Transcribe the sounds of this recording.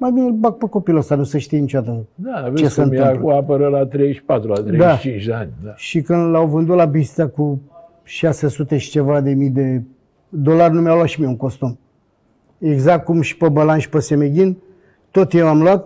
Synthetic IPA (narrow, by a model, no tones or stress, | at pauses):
majbinebak̚pəko̞pilost̪anusəʃt̪ijenit͡ʃoat̪əd̪avet͡ʃesənmiɨkuapəɾəlat̪ɾejʃi̥pat̪ɾulat̪ɾed̪aʃt͡ʃint͡ʃd̪eanʲd̪aʃikɨnd̪lawvɨnd̪ut̪labist̪saku | ʃasesut̪e̞ʃi̥t͡ʃe̞vad̪e̞mijd̪e | d̪olarʲnumjawlat̪ʃimieuŋko̞st̪um | eɡzak̚t̪̚kumʃi̥pəbəlanʃi̥pəsemeɡʲin | t̪ot̪jewamluat̪̚